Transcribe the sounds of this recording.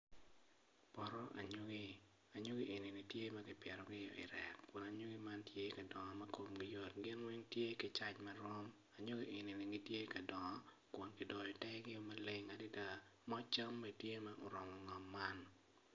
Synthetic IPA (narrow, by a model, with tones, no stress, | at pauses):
pɔ˨ɾɔ˦ʔa̰˨ɲo˦ɡi˦ | a˨ɲo˦ɡi˦ʔe˨ni˨ni˨tje˦mɐ˦ɡɪ˨pɛ˨ɾɔ˨ɡɪ˦jɔ̰˨ɪ̰˨ɾɛ˨kkʊ˨na˨ɲo˦ɡi˦ma˦ntje˦ka˨dɔ˨ŋɔ˨mɐ˦ko˨mɡɪ˦jo˨t̚ɡɪ˦nwe˦ŋtje˦kɪ˨˦t͡ʃa˦t͡ʃmɐ˦ɾɔ˦m | a˨ɲo˦ɡi˦ʔe˨ni˨nɪ˨ŋi˦tje˦ka˨dɔ˨ŋɔ˦ | kʊ˨nkɪ˨dɔ˨jɔ˨tɛ˦ɡɪ˦o˦mɐ˦le˦ŋa˨dɪ˦da˦˨mɔ˦t͡ʃa˦mːe˨tje˦mɐ˦ʔo˨ɾɔ˨mɔ˨ŋɔ˨mːa˦n